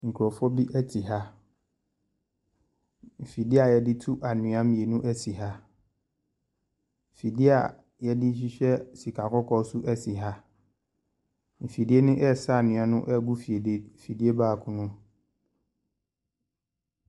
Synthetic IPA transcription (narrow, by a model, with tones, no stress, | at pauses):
ŋ̩˨kʰu˨ɔ˨fɔ˦bi˦ʔɛ˦tʰi˨ɦa˦ | m̩˨fi˨dɪ˦a˨jɛ˦dɪ˦tʰu˦ʔa˨nʊ̃˨˦ã˦mĩ˨e˨nʊ̃˦ʔɛ˦si˨ɦa˦ | m˨fi˨dɪ˦a˨ | jɛ˦dɪ˦ɕ̬i˦ɕᶣɛ˦si˨kʰa˨kʰɔ˦kʰɔ˦su˦ʔɛ˦si˨ɦa˦ | m̩˨fi˨di˦e˦nʊ̃˦ʔɛ˦˨sa˦a˨nɪ̃˨a˨nʊ̃˦ʔɛ˦ɡu˦fi˨e˨de˨fi˨di˦e˦baː˦˨kʰʊ̃˦nʊ̃˦m